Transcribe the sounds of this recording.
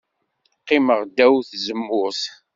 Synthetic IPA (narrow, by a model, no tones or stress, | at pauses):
qːiməʁd̪ːæwθzəmːʊθ